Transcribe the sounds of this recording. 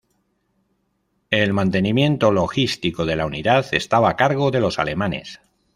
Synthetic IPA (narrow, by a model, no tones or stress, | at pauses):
e̞lmãnt̪e̞nĩmjẽ̞nt̪o̞lo̞xist̪iko̞ðe̞launiðaθe̞st̪aβaːkaɾɣo̞ðe̞lo̞sa̰le̞mane̞̰s